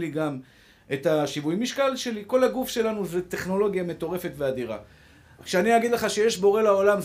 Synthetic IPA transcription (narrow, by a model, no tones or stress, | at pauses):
liɡam | ʔe̞taʃivujimiʃkalʃe̞liko̞laɡufʃe̞lanuzete̞χno̞lo̞ɡjame̞t̪o̞ʁe̞fe̞tvead̪iʁa̰ | kʃeaniaɡid̪leχaʃeje̞ʃbo̞ʁe̞lao̞lam